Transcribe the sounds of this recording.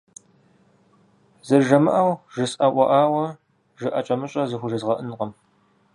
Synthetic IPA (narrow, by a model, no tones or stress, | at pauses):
zɐrʒɐmɨʔɐwʒɨsʼʔɐʔʷɔʔaːwɐ | ʒɨʔɐt͡ʃʼɐmɨɕʼɐzɨxʷʊʒɐzʁɐʔɨnqəm